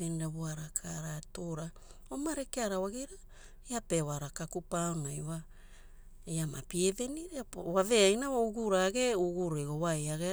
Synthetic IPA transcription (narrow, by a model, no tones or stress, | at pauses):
eniɾaβuaɾakʰaɾatoɾa | omaɾekeaɾawaɡiɾa | eapewaɾakakupaonajwa | ejamapieve̞niɾeβave̞ajnawouɡuɾaɡe̞uɡuɾeɡowajaɡe